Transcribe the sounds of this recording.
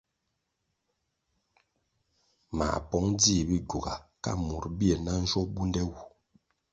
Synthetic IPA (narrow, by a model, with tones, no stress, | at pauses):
ma̰˨pɔ˦ŋd͡zi˦˨bi˦ɡu˨ɡa˨ka̰˦mu˨ɾbi˦e˨na˦n̩˦d͡ʒɔ˦bu˦ndɛ˦wu˨